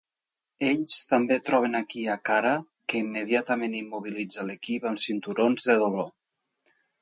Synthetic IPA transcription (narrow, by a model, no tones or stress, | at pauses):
eʎst̪ambet̪ɾɔβ̞enakiakaɾa | keimːeð̞iat̪amenimːuβilid͡zalekipamsint̪uɾonzðeðoβlo